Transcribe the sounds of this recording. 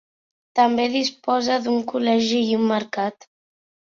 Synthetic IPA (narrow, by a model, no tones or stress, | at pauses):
t̪əmbeðispɔzəðuŋkulɛʒiːumːəɾkat̪